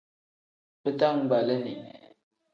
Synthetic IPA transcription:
pə˦ta˦ŋba˨lə˦ni˨ŋ˨

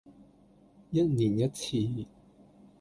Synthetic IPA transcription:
jɐ˦˥t̚ni˨˩njɐ˦˥t̚t͡sʰiː˧

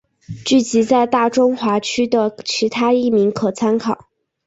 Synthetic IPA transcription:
t͡ɕy˥˩t͡ɕi˧˥t͡sa˥˧ɪt̪a˥˩ʈ͡ʂʊ˥ŋxwa˧˥t͡ɕʰy˥d̪ə˨t͡ɕʰi˧˥t̪ʰa˥i˥˩mi˧˥ŋkʰɤ˨˩t͡sʰa˥nkʰɑ˨˩˦ʊ

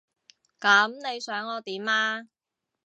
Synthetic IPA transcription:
kɐ˨˥mne˨˧jsœː˨˥ŋɔː˨˧t̪iː˨˥maː˧

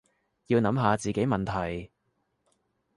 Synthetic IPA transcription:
jiː˧wnɐ˨˧˥mɦaː˨˧t͡siː˨˩ke˨˥jmɐ˨nt̪ʰɐ˨˩j

